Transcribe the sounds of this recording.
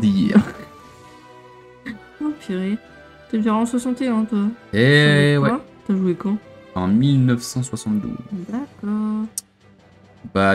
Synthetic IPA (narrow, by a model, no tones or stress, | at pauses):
d̪ijɛ | ofeʁi | t̪ɛvɛʁɑ̃swasɑ̃t̪eɛ̃t̪yaɛwɛat̪yaʒuekɑ̃ɑ̃milnœfsɑ̃swasɑ̃t̪d̪ṵzd̪akɔːʁʁ | ba